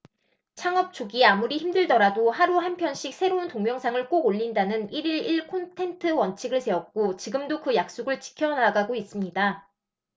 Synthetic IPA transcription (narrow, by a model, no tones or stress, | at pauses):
t͡ɕʰaŋʌp̚t͡ɕ͈oɡiamuɾiçimdɯɭdʌɾadohaɾuɦanpʰjʌnɕ͈ʰik̚s͈ʰe̞ɾountoŋmjʌŋsʰaŋɯɭk͈oɡoʎːindanɯniɾiɭiɭkʰontʰe̞ntʰɯwʌnt͡ɕʰiɡɯɭse̞ʌk̚k͈ot͡ɕiɡɯmdokɯjak̚s͈oɡɯɭt͡ɕi̥kʰjʌnaɡaɡois͈ɯmɲida